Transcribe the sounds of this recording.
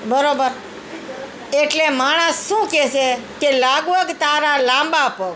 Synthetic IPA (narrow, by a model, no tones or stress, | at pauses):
bəɾobəɾ | eʈlemaɽ̃əsʃũːkɛʃekelaɡʋəɡt̪aɾalãmbaəpoɡ